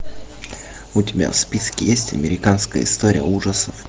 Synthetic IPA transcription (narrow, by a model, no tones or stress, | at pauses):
ʊtʲɪbʲa̰fspʲiskʲɪjesʲtʲɐ̰mʲɪɾʲɪkanskəjəɪ̰st̪oɾʲɪjəuʐəsə